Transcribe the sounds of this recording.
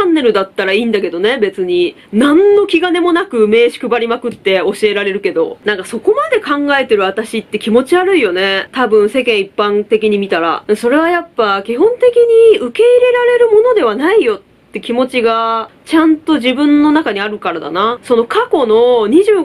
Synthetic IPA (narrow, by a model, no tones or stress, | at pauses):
anːe̞ɾɯ̟d̪at̪ːaɾaiːnd̪ake̞d̪o̞ne̞be̞t͡sɨɲ̟i | nãnːo̞kʲiɡane̞mo̞nakɯ̟me̞ːɕi̥kɯ̟baɾʲimakɯ̟t̪ːe̞o̞ɕie̞ɾaɾe̞ɾɯ̟ke̞d̪o̞̰nãŋkaso̞ko̞mad̪e̞kãŋɡae̞t̪e̞ɾɯ̟at̪aɕit̪ːe̞kʲimo̞t͡ɕiaɾɯ̟ijo̞ne̞t̪abɯ̟̃ɰ̃se̞kẽ̞ɰ̃ipːãnt̪e̞k̬ʲiɲ̟imʲit̪aɾa̰d̪eso̞ɾe̞β̞ajapːakʲiɦõ̞nt̪e̞kʲiɲ̟iɯ̟ke̞iɾe̞ɾaɾe̞ɾɯ̟mo̞no̞d̪e̞βanaijo̞t̪ːe̞kʲimo̞t͡ɕiɡat͡ɕãnt̪o̞ʑibɯ̟̃nːo̞nakaɲ̟iaɾɯ̟kaɾad̪a̰naso̞no̞kako̞no̞ɲ̟iʑɨː